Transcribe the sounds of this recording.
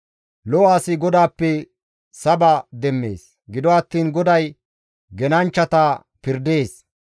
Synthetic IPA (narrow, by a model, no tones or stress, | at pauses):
lɔwaːsɪɡɔd̪aːpːɛ | sɐbad̪ɛmːe̞̰ːs | ɡɪd̪ɔɐt̪ːiːnɡɔd̪ɐj | ɡɛnɐnt͡ʃːɐt̪ɐ | pɪɾd̪e̞ːs